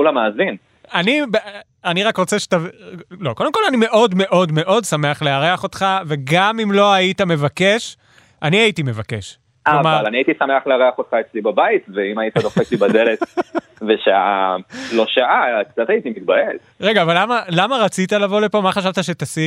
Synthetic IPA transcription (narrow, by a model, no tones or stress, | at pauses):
ulamaːzin | anib | aniʁakʁo̞t͡seʃetavlo̞ko̞demko̞lanime̞ʔo̞dme̞ʔo̞dme̞ʔo̞dsame̞aχleaʁeaχo̞t̪χave̞ɡamimlo̞aitame̞vake̞ʃ | ʔaniaitime̞vake̞ʃ | kavmaalaniait̪isameaχleaʁeaχot̪χaet͡slibabait̪veimait̪adoχek̚ibad̪elet̪ | veʃaalo̞ʃaʔak̚t͡sat̪ait̪imit̪̚baet | ʁe̞ɡaːvalːamalamaʁat͡sit̪alavo̞le̞po̞maχaʃ̬avt̪aʃet̪asi